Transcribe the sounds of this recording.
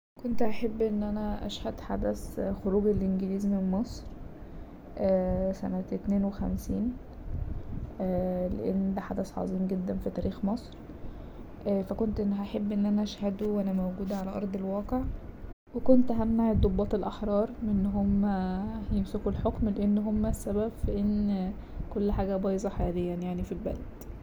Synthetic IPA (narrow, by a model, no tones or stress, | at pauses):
kont̪ʔaħebːʔenːʔænæʔæ̰ʃhæd̪ħa̰d̪æsxoɾuːɡelʔenɡeliːzmenmɑsˤɾ | ʔæːsæ̰næt̪neːnwexæ̰msiːn | ʔælḛʔḛnːd̪æħad̪æsʕɑ̰zˤiːmɡed̪ːænfit̪æːɾʔiːxmɑsˤɾ | ʔæːfækont̪ʔenːhæħebːʔenːʔænæʃhæd̪uwʔænæmæwɡuːd̪æʕalæʔɑ̰ɾˤd̪ˤelwɑːqeʕ | wekont̪ʔæɦæmnaʕed̪obːɑːt̪elʔɑħɾˤɑːɾˤmenːɦomːæjemsekulħokmleʔenːɦomːæsːæbæbfæʔen | kolːħaːɡæbɑːjzˤɑħajæːlejːænjaʕnifilbæ̰læd̪̥